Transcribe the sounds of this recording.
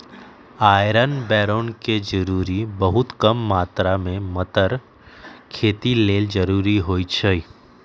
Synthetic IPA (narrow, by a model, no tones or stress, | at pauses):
aːjɾənbɛːɾoːnked͡ʒəɾuːɾibəɦʊt̪kəmːaːt̪ɾamẽmət̪əɾ | kʰeːt̪ileːld͡ʒəɾuːɾiɦoːit͡ʃʰəi